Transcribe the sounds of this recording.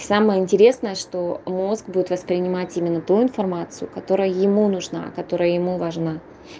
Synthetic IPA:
saməjəɪnʲtʲɪɾʲe̞snəjəʂt̪o̞mo̞zɡbudʲɪt̪vəspɾʲɪnʲɪmatʲimʲɪnːət̪uɪnfɐrmat̪sɨjʊkɐt̪o̞ɾəjəjɪmunʊʐna̰kɐt̪o̞ɾəjəjɪmuvɐʐna

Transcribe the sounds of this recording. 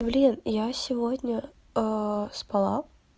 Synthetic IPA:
blʲinjasʲɪvodʲnʲə | əspɐlˠa

